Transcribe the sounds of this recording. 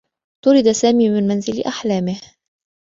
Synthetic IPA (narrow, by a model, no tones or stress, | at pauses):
t̪ʊɾɪd̪asaːmiːmɪnmanzɪlʔaħlaːmɪh